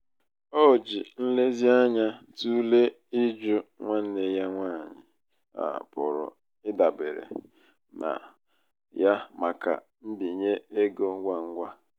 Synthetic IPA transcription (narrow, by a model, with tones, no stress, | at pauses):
o˦˨d͡ʒi˨n̩˦le˦zi˦a˦ɲa˦ | tu˦le˦ | i˦d͡ʒʊ˦ŋʷa˦n̩˦ne˨ja˦ŋʷaː˦˨ɲɪ˨ | a̰˨pʊ˨ɾʊ̰˨ | ɪ˦da˨be˨ɾḛ˨ | na̰˨ | ja˦ma˨ka̰˨ | m̩˦di˨ɲe˦e˦ɡo˦ŋ̩˦ɡʷa˦ŋ̩˦ɡʷa˦